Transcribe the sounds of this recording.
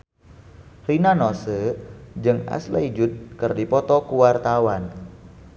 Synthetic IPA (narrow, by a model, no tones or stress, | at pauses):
rinanɔsəd͡ʒɨŋa̰slaid͡ʒʊt̪̚kərdipɔt̪ɔkuwart̪awan